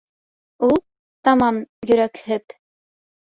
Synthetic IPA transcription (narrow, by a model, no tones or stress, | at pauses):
ulˠ | t̪ɑmɑmjɵ̆ɾækhɘp